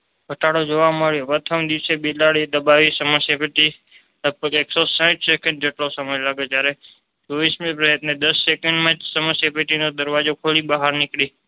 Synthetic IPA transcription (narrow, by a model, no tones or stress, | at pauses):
ɡʱəʈaɽod͡ʒoʋaməɭjopɾət̪ʰəmd̪iʋsebilaɽid̪əbaʋisəməsjapeʈi | ləɡ̚bəɡeksosãt͡ʃʰsekə̃ɳɖ̚d͡ʒeʈlosəməjlaɡet̪jaɾe | t͡ʃoʋismĩpɾəət̪ned̪əsːekəɳɖmãd͡ʒsəməsjapeʈinod̪əɾʋad͡ʒokʰolibəɦaɾnɪkɽi